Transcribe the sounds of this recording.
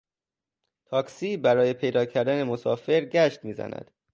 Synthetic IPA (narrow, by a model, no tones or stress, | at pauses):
t̪ʰɒːksiːbæɾɒːje̞pʰe̞jd̪ɒːcʰæɾd̪æne̞mo̞sɒ̰ːfe̞ɾɟæʃt̪miːzæ̰næ̰d̪̥